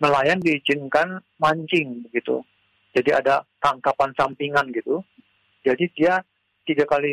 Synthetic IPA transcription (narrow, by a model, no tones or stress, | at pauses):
məlajandiid͡ʒɪnkan | maɲt͡ʃɪŋbəɡit̪ṵ | d͡ʒadiadat̪aŋkapansampiŋanɡit̪u | d͡ʒadidia | t̪iɡakali